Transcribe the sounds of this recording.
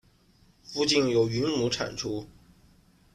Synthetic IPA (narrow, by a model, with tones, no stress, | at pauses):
fu˥˧t͡ɕi˥˩njo˨˩ʊy˧˥nmu˧˥ʈ͡ʂʰa̰˨˩nʈ͡ʂʰu˥